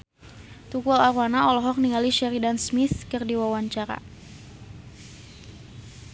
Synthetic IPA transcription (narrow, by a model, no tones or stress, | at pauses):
t̪ukualaɾwanaɔlɔɦɔk̚niŋaliʃɛɾidansmɪθkərdiwawaɲt͡ʃaɾa̰